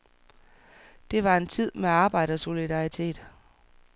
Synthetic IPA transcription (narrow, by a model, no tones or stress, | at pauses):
d̥e̝ʋɑ̈e̝nt͡sʰið̞̰ˠmeɑ̈ːb̥ɑ̈ɪ̰ɾ̥əɒso̝lid̥ɑ̈it͡sʰe̝̰ːd̥